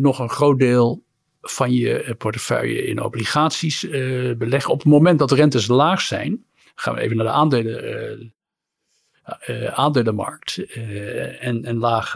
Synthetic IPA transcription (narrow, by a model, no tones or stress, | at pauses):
nɔχənχrowt̚deːlˠ | v̥ɑnjə̰pɔɹtə̥fœ̰ɥjə̰ɪ̰no̰wbliχaːtsisbəlɛχəɔpətmomɛntdɑtərɛntəslaːχsɛ̰jn | χa̰ːnʋə̰ḛjvənaːɹdəaːndelə | aːndeləmɑ̰ɹk̚t | ɛnɛnlaːχ